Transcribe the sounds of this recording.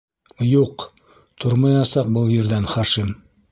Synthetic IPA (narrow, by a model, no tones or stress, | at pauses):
juq | t̪ʰoɾmɑjɑsɑq̚bɤlˠjɘ̆ɾðænχɑʃim